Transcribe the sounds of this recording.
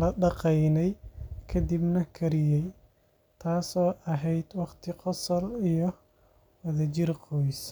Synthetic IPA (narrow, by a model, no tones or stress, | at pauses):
lɐɖɑqɛjnɛjkʰɐd̪ibnɐkʰɐɾɪjɛj | t̪ʰaːsɔːʔɐɦɛjd̪wɑqt̪ʰɪqɔsɔlijɔ | wɐðɐt͡ʃɪrqɔjs